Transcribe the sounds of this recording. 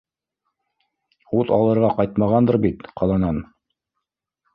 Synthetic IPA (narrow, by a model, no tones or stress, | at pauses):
uðɑ̰lˠɤ̆ɾʁɑqɑjt̪mɑʁɑnd̪ɤɾbit̪qɑlˠɑnɑn